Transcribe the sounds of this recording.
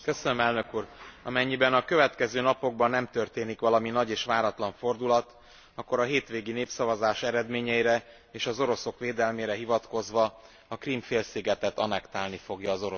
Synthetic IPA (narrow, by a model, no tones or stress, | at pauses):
køsønømɛlnøkuːrɒmɛɲːibɛnɒkø̞vɛt̪kɛzøːnɒpo̞ɡ̚bɒnːɛmt̪ø̞rt̪eːnikʋɒlɒminɒɟeːʃʋaːɾɒt̪lɒɱfo̞rd̪ulɒt̪ | ɒkːo̞ɾɒɦeːt̪ʋeːɡineːpsɒvɒzaːʃɛɾɛd̪meːɲɛiɾɛ | eːʃɒzo̞ɾo̞so̞kʋeːd̪ɛlmeːɾɛɦivɒt̪ko̞zʋɒ | ɒkrimfeːlsiɡɛt̪ɛt̪ɒnɛkt̪aːlnifo̞ɡjɒːzo̞ɾo